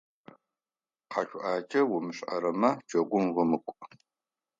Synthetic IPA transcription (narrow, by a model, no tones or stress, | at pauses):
qɑɕʷʼʊʔaːt͡ʃʰʼɐwʊmɨɕʼɐ̰ɾɐmɐd͡ʒɐɡʷʊmʁəmɨkʷʼ